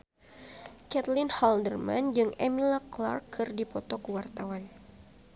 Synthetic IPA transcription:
kɛt̪lɪnhɔldərma̰nd͡ʒɨŋɛmilakla̰rkːʰɨrdipɔt̪ɔkuwart̪awan

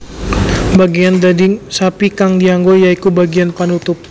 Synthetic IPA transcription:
baɡiand̪adɪŋsapikaŋdiaŋɡojaikubaɡianpanut̪ʊp̚

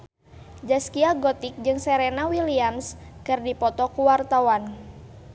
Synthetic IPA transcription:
d͡ʒaskiaɡɔt̪ik̚d͡ʒɨŋsɛɾɛnawiliamskɨrdipɔt̪ɔkuwart̪awan

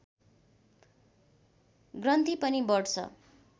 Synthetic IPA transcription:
ɡrʌnt̪ipʌnibʌɽt͡sʰʌ̰

